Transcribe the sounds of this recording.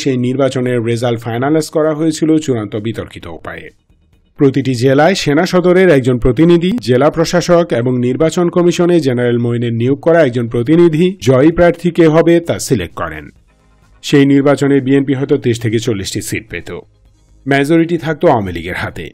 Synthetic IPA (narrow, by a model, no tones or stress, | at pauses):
ʃejniɾbat͡ɕoneɾːezalfajnalajskɔɾaɦoet͡ɕʰilot͡ɕuɾant̪obit̪oɾkit̪o̰ṵpa̰eḛ | pɾot̪iʈid͡ʑelaeʃenaʃɔd̪oɾeɾɛk̚d͡ʑonpɾot̪̬inid̪ʱid͡ʑelapɾoʃaʃokeboŋniɾbat͡ɕonkɔmiʃoned͡ʑenaɾelmojneɾnioɡ̚kɔɾaɛk̚d͡ʑonpɾot̪̬inid̪ʱid͡ʑɔjpɾaɾt̪ʰikeɦɔbet̪asilḛk̚ʈ̚kɔ̰ɾḛn | ʃejniɾbat͡ɕoneɾbienpiɦɔet̪ot̪eʃt̪ʰeket͡ɕolːiʃʈisiʈ̚pḛt̪o̰ | mɛd͡ʑoɾiʈit̪ʰak̚t̪oaoamilḭɡeɾɦat̪ḛ